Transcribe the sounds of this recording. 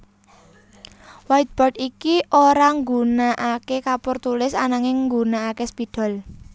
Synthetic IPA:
wajt̪̚b̥ɔʈikiʔoɾaŋɡunaʔakekapʊrt̪ulɪsanaŋɪŋɡunaakespid̪̥ɔ̤l

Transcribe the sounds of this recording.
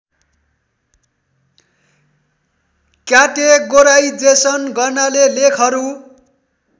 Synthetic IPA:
kjaʈeɡoɾajd͡zesʌnɡʌrnalelekʰʌɾu

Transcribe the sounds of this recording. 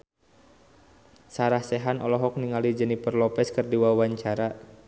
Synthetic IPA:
saɾahsɛɦanɔ̰lɔɦɔk̚niŋalid͡ʒənipərlɔpɛskɨrdiwawaɲt͡ʃaɾa

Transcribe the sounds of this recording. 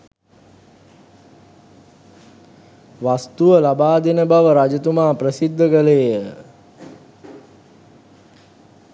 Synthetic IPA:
ʋast̪uʋəlabaːd̪enəbaʋəɾad͡ʒət̪umaːprəsid̪ʱːəɡəlejə

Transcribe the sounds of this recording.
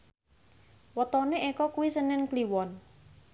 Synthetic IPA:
wət̪ɔneʔekɔkuwisənɛnkliwɔn

